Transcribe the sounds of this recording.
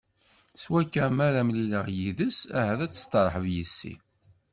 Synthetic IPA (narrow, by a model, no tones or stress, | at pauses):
swækːæmæɾæmliləʁjiðəsæ̰ɦæðæt͡sːə̥st̪əɾˤħəvjisːḭ